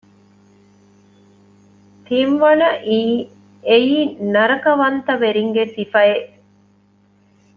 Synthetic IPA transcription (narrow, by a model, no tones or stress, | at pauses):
t̪inʋɐnɐʔiː | ejiːnɐɾɐkɐʋɐnt̪ɐʋeɾiŋɡesifɐjeʔ